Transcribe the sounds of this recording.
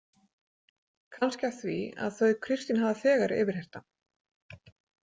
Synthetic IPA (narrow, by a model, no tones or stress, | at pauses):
kʰanscaθvia̰ðθœɥkʰɾɪst̪ɪnɦavðaθɛːɣaɾɪ̰ːvɪɾ̥hejr̥t̪a